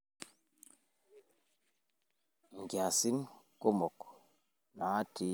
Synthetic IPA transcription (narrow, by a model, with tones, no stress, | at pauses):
ŋ˨ɡja˨si˦n | ko˦mɔ˨k | na˨a˦tʰi˨˦